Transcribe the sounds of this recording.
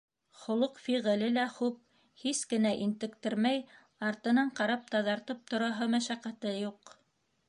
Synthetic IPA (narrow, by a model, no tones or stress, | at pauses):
χŏlˠoqfiʁɘ̆lɘlæχup̚ | hiskɘ̆næʔint̪ɘ̆kt̪ɘɾmæj | ɑɾt̪ɤ̆nɑɴqɑɾɑp̚t̪ɑðɑɾt̪ɤp̚t̪ŏɾɑɦɤmæʃæqæt̪ɘjuq